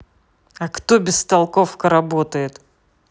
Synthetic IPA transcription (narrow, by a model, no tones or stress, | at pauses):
ɐkt̪obʲɪst̪ɐlˠko̞fkəɾɐbot̪əjɪt̪